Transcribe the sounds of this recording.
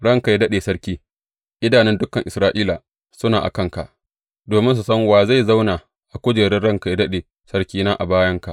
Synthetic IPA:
ɽɐ˦˨ŋka˨ja˦dɐ˦ɗeː˨sɐ˦ɽkʲiː˦ | ʔɪ˦daː˨nɪ˦ndʊ˦kɐ˨ŋʔɪ˨sɾaː˦ʔiː˦laː˨ | sʊ˦naː˨ʔa̰˨kɐ˦˨ŋka̰˨ʔ | doː˨mɪ˦ns̬u˨sɐ˦ŋwaː˨za˦˨jza˦wnaː˨ | ʔa˨kʷʊ˦d͡ʒeː˨ɽɪ˦nɽɐ˦˨ŋka˨ja˦dɐ˦ɗeː˨ | sɐ˦ɽkʲiː˦naː˦ʔa̰˨baː˦jɐ˦ŋka̰˨ʔ

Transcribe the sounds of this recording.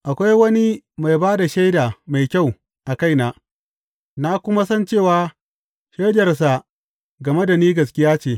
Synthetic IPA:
ʔa˨kʷa˦jwɐ˦ni˦ma˨jbaː˦da˨ʃa˦jdaː˨ma˨jkʲa˦˨w | ʔa˨ka˦jnaː˨ | na˦kʷʊ˦ma˦sɐ˦nt͡ʃeː˦˨waː˨˦ | ʃa˦jdɐ˨rs̬a˨ | ɡɐ˨me˦da˨niː˦ɡɐ˨skʲɪ˦jaː˦t͡ʃeː˨

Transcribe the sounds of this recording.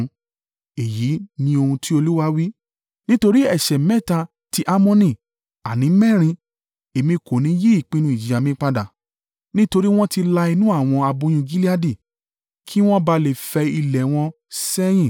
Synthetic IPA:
e˨ji˨˦nĩ˧o˧hũ˧tʰi˦o˧lu˦wa˦wi˦ | nĩ˦to˧ɾi˦ɛ˦˨ʃɛ˨mɛ̃˦˨ta˧ | ti˧ʔa˧˦mɔ̃˧nĩ˨ | a˨nĩ˨˦mɛ̃˦˨ɾ̃ĩ˧ | e˨mĩ˧ko˨nĩ˨˦je˦i˦˨k͡pĩ˧˦nũ˧˦i˦˨d͡ʒi˨a˨mĩ˦k͡pa˧da˨ | nĩ˦to˧ɾi˦w̃ɔ̃˦ti˧la˧i˧nũ˦a˦˨w̃ɔ̃˧a˧bõ˧˦j̃ĩ˧˨ɡi˦li˦a˧di˦˨ | kʰi˦w̃ɔ̃˦ba˧˦le˨fɛ˧i˧lɛ˨w̃ɔ̃˧ | sɛ˦j̃ĩ˦˨

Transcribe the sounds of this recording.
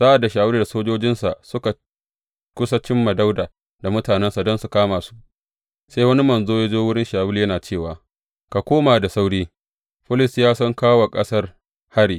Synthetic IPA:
za˦ʔa˨dːa˨ʃaː˨wɪ˦lda˨soː˦d͡ʒoː˦d͡ʒɪ˦nsa˨ʔsʊ˦ka˨ | kʷʊ˦sa˦t͡ʃɪ˦mːa˨da˦wdaː˨ | da˨mʊ˦taː˨nɛ˦nsa˨dɔ˦nsu˨kaː˦maː˨su̥˦ʔ | sa˦jwɐ˦ni˦mɐ˨nzoː˦je˦d͡ʒoː˦wʊ˦ɽɪ˦nʃaː˨wʊ˦ljɐ˦naː˨t͡ʃeː˦˨waː˨ | ka˨kʷoː˦maː˨da˨sa˦wɽiː˦ | ɸɪ˦lɪ˨sjaː˦sɔ˦ŋkaː˦wa˨kʼɐ˦sɐ˦r | ha˦ɽiː˨

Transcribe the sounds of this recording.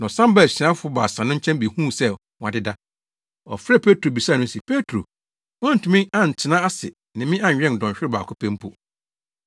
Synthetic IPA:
nã˨ɔ˨sã˦mba˦˨ɕi˨ã˦fʊ˦ɔ˦baː˨sã˨nʊ̃˦ɲ̩˦t͡ɕʰɛ̃˦mbi˨hũː˦sɛ˦˨ | w̃ã˨dɪ˦da˦ | ɔ̰˨fɾɛ˦˨pʰe˦tʰɾo˨bi˨saː˦˨nʊ̃˦si˨pʰe˦tʰɾo̰˨ | ɔ̃˦n̩˨tʰũ˨mĩ˦ã˨n˨tʰɪ˨nã˦a˦sɪ̰˨ | nɪ̃˨mɪ̃˦ã˦˨ɥᶣɛ̃˦n˨dɔ̃˨ɲɕᶣɪ˦ɾɪ˦˨ba̰ː˨kʰʊ˦pʰɛ̃˦m˦pʰu˦

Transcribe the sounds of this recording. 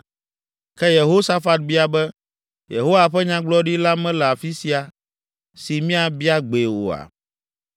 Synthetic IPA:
kɛ˦je˨ɦo˦sa˦fa˦t̪̚bi˦a˨bɛ˦ | jḛ˨ɦo˦wa˨ɸɛ˦ɲã˦ɡ͡blɔ˦ɖi˦la˦mɛ̃˦lɛ˨a˨fi˦si˨a˨ | si˨mĩ˦a˨bi˦a˦ɡ͡be˨wo̰˨a̰˨

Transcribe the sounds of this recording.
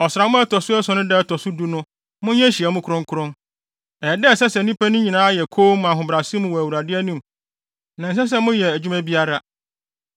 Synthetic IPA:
ɔ˨sɾa˨mʊ̃˦ɛ˦tʰɔ˨sʊ˦ɛ˦sɔ̃˨nʊ̃˦dɛ˦tʰɔ˨sʊ˦du˦nʊ̃˦ | mʊ̃˦ɲɛ̃˦ɕi˨ɛ˨mʊ̃˦kʰʊ˦ɾʊ̃˦ŋ˦kʰʊ˦ɾʊ̃˦n | ɛ˨ɛ˨dɛ˦˨sɛ˦sɛ˨nĩ˦pæ˦nʊ̃˦ɲĩ˨nãː˨˦jɛ˨kʰo˦m˨ã˨ɦʊ̃˨bɾa˨sĩ˦mʊ̃˨wɔ˨æ˨wu˨ɾa˨dɪ˦ɛ˦nĩ˦˨m | nã˨n˨s̬ɛ˦s̬ɛ˦mʊ̃˦jɛ˨æ˨d͡ʑᶣu˦mæ̃˦bi˦a˦ɾa˦

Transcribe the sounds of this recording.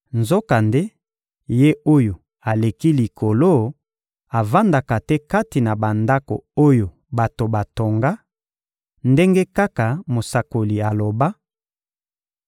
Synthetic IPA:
nzo˦ka˨nde˦ | je˦o˦jo˨ | a˨le˨ki˦li˨kʰo˨lo˦ | a˨va˦nda˨ka˨tɛ˦ka˦ti˨na˨ba˨nda˦ko̰˨o˦jo˨ | ba˨to˨ba˨to˨ŋɡa˦ | nde˦ŋɡe˦ka˦ka˨mo˨sa˨ko˨li˨a˨lo˨ba˦

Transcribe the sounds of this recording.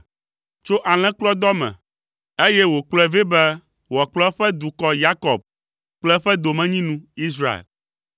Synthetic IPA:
t͡ʃo˦ʔa˨l̃ɛ̃˦k͡plɔ˦d̪ɔ˦mɛ̰̃˨ | e˦jɛ˦wo˨k͡plɛ˦ve˦bɛ˦ | wɔ˨k͡plɔ˦ɸɛ˦d̪u˨kɔ˦ja˦kɔ˨b̚ | k͡plɛ˦ɸɛ˦d̪o˨mɛ̃˦ɲĩ˦nũ˦i˦sɾa˦˨ḛ˨l

